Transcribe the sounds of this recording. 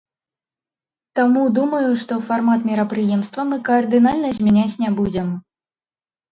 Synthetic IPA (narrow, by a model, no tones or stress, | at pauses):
t̪amud̪umɐjuʂt̪ɔfarmat̪mʲiɾɐpɾɨjɛmst̪vɐmɨkɐːrd̪ɨnalʲnɐzʲmʲɛnʲat͡sʲnʲɛbud͡zʲɛm